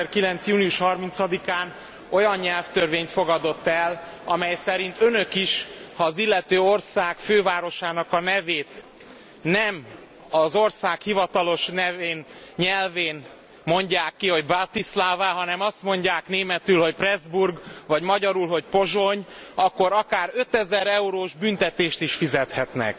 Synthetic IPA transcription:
ɛrkilɛnt̪sjuːniuʃhɒrmint̪sɒd̪ikaːn | o̞jɒɲɲɛlft̪ørveːɲt̪fo̞ɡɒd̪o̞t̪ːɛl | ɒmɛjsɛɾint̪ønø̞kiʃhɒːzilːɛt̪øːo̞rsaːkføːvaːɾo̞ʃaːnɒkɒnɛveːt̪ | nɛm | ɒzo̞rsaːkhivɒt̪ɒlo̞ʃnɛveːnɲɛlveːn | mo̞ɲɟaːkːiho̞ɟbat̪islaːvaːɦɒnɛmɒst̪mo̞ɲɟaːkneːmɛt̪ylho̞cprɛzburɡvɒɟmɒɟɒɾulɦo̞cpo̞ʒo̞ɲ | ɒkːo̞ɾɒkaːɾø̞t̪ɛzɛɾɛuɾoːʒbynt̪ɛt̪eːʃt̪iʃfizɛt̪hɛt̪nɛ̰k

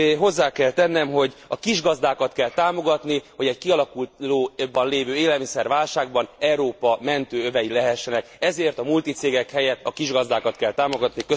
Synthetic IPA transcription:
ɦo̞zːaːkɛlt̪ɛnːɛmɦo̞ɟɒkiʒɡɒzd̪aːkɒt̪kɛlt̪aːmo̞ɡɒt̪niho̞ɟɛckiɒlɒkulloːbɒnleːvøːeːlɛlmisɛrʋaːlʃaːɡbɒnɛɾoːpɒmɛnt̪øːøvɛjilɛɦɛʃːɛnɛkɛzeːrt̪ɒmult̪it̪seːɡɛkhɛjɛt̪ːɒkiʒɡɒzd̪aːkɒt̪kɛlt̪aːmo̞ɡɒt̪nikø

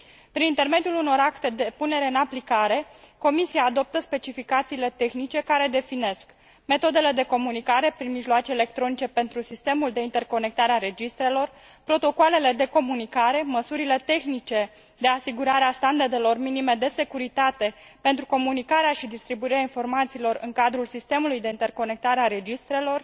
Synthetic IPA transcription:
pɾinint̪e̞rme̞d̪ijuluno̞ɾakt̪e̞d̪e̞pune̞ɾe̞ɨnaplikaɾe̞ko̞misiaːd̪o̞p̚t̪əspe̞t͡ʃifikat̪siːle̞t̪e̞xnit͡ʃe̞kaɾe̞d̪e̞fine̞sk | me̞t̪o̞d̪e̞le̞d̪e̞ko̞munikaɾe̞pɾinmiʒloat͡ʃe̞ːle̞k̚t̪ɾo̞nit͡ʃe̞pe̞nt̪ɾusist̪e̞muld̪e̞int̪e̞rko̞ne̞k̚t̪aɾeaɾe̞d͡ʒist̪ɾe̞lo̞r | pɾo̞t̪o̞koale̞le̞d̪e̞ko̞munikaɾe̞məsuɾile̞t̪e̞xnit͡ʃe̞ | d̪e̞asiɡuɾaɾeast̪and̪ard̪e̞lo̞rminime̞d̪e̞se̞kuɾit̪at̪e̞ | pe̞nt̪ɾuko̞munikaɾeaʃid̪ist̪ɾibuiɾeainfo̞rmat̪siːlo̞ɾɨ̰ŋkad̪ɾulsist̪e̞mulujd̪e̞int̪e̞rko̞ne̞k̚t̪aɾeaɾe̞d͡ʒist̪ɾe̞lo̞r

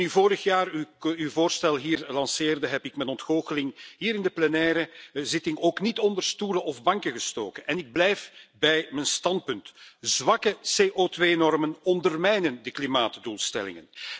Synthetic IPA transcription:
nyvoːɾəxjaːrywvoːrstɛlˠɦiːrlɑnseːrdəɦɛpɪkmɛnɔntxoːɣəlɪŋɦiːɾɪndəplɛnɛːɾəzɪtɪŋoːknitɔndərstuːɾəʔɔvbɑŋkəɣəsto̰ːkənɛnɪɡ̚blɛjfbɛjmənstɑnt̚pʏntz̥ʋɑkəseːʔotʋeːnɔrmənɔndərmɛjnəndəklimaːtduːlˠstɛ̰lɪ̰ŋə̰n

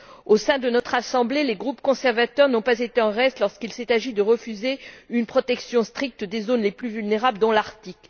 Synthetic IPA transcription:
osɛ̃d̪ənɔt̪χasɑ̃bleleɡʁupkɔ̃sɛʁvat̪œʁnɔ̃pazet̪eɑ̃ʁɛst̪lɔʁskilsɛt̪aʒid̪əʁəfyzeynpχɔt̪ɛksjɔ̃st̪χik̚t̪d̪ezonleplyvylneʁabləd̪ɔ̃laʁt̪ik

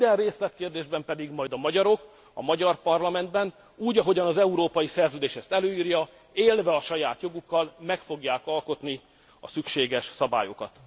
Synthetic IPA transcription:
d̪ɛnreːslɛt̪keːrd̪eːʒbɛmpɛd̪iɡmɒjd̪ɒmɒɟɒɾo̞k | ɒmɒɟɒrpɒrlɒmɛnd̪bɛn | uːɟɒɦo̞ɟɒnɒzɛuɾoːpɒjisɛrzøːd̪eːʃɛst̪ɛløːiːrjɒ | eːlvɛɒʃɒjaːt̪jo̞ɡukːɒlmɛkfo̞ɡjaːkɒlko̞t̪ni | ɒsykʃeːɡɛʃsɒba̰ːjo̞̰kɒ̰t̪

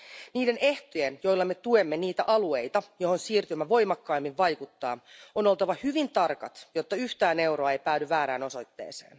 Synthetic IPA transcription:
niːde̞ne̞ht̪ojenjo̞jlːɑmet̪ue̞mːe̞niːt̪æʔɑlue̞jt̪ɑjo̞ho̞nsiːrt̪ymːæʋo̞jmɑkːɑimːiʋʋɑjkut̪ːɑːono̞lt̪ɑʋɑhyʋint̪ɑrkɑt̪jo̞t̪ːɑyht̪æːne̞wɾo̞ɑejpæːdyʋæːɾæːno̞so̞jt̪ːe̞̰ːse̞̰ːn

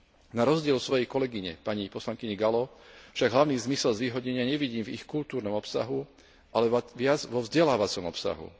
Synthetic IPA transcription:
naɾɔzɟɪɛlsʋɔjɛjkɔlɛɡiɲɛ̰paɲipɔslaŋkiɲɛɡalɔfʃaɡɦlaʊniːzmisɛlzʋiːɦɔɟɲɛɲɪaɲɛʋiɟiːmvixkult̪uːɾnɔmɔpsa̰ɦu | ʔalɛʋɪad͡zʋɔvzɟɛlaːʋat͡sɔmɔpsa̰ɦṵ

